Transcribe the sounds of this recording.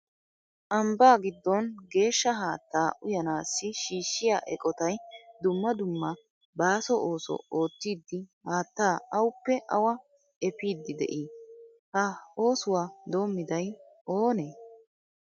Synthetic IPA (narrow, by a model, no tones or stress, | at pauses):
ʔɐmbaːɡɪd̪ːɔnɡe̞ːʃːɐɦaːt̪ːaːʔʊjɐnaːsːɪʃiːʃːɪjaːʔɛ̰kʼɔt̪ɐjd̪ʊmːɐd̪ʊmːɐ | baːsɔʔoːsɔ̰o̞ːt̪ːiːd̪ːɪhaːt̪ːaːɐwʊpːɛʔɐwɐ | ɛpiːd̪ːɪd̪ɛ̰ʔiː | hɐo̞ːsʊwaːd̪o̞ːmːɪd̪ɐj | oːneː